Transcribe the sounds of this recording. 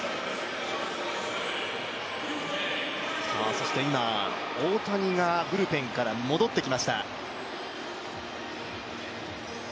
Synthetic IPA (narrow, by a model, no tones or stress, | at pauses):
sa̰so̞ɕi̥t̪e̞ima | oːt̪aɲ̟iɡabɯ̟ɾɯ̟pẽ̞ŋkaɾamo̞d̪o̞t̪ːe̞kʲimaɕi̥t̪a̰